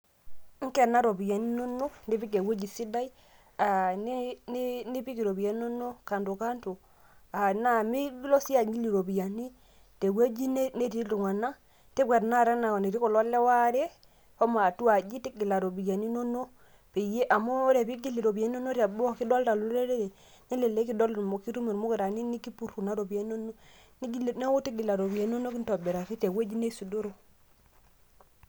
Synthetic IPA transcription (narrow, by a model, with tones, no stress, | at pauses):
ŋ̩˦kɛ˨na˦ɾo˨bi˨ja˨ni˦no˦no˦ndi˦pi˦ɡ̬e˨we˦d͡ʒi˨si˦da˦j | a˨ni˦n˦ni˦pi˦ki˨ɾo˨bi˨ja˦no˦no˦ka˨ndo˨ka˦nto˨ | a˨na˦˨mi˦ɡlɔ˦si˦a˨ŋi˦li˨ɾo˨bi˨ja˨ni˦ | te˨we˦d͡ʒi˦n˦ne˦ti˦tu˨ŋa˨na˦ | te˦kʷɛ˨ɾna˦˨ɾɛ˦na˨ni˨ɾi˦kɔ˨lɔ˦lːɛ˦wa˦ɾɛ˦ | ko˦ma˨tu˦wa˨d͡ʒi˦ti˦ɡi˨la˨ɾo˨bi˨ja˨ni˦no˦no˦ | pe˨je˦ʔa˨mo˦ɾe˨bi˦ɡi˦li˨ɾo˨bi˨ja˨ni˦o˦no˦ɾa˨bo˦˨ki˦do˦lta˨lu˦e˦ɾe˦ɾe˨ | ne˦le˨le˦ki˦do˦lmo˨ki˦ɾu˦me˨ɾmo˦ke˨ɾa˨ni˦ni˦ki˦pu˦ɾu˨na˦ɾo˨bi˨je˦n˦o˦no˦ | ni˦ɡi˦˨ne˦wo˦ti˦ɡi˨la˨ɾo˨bi˨ja˨ni˦o˦no˦ki˦nto˨be˨ɾa˨ki˦te˨we˦d͡ʒi˦ne˦su˨do˦ɾo˨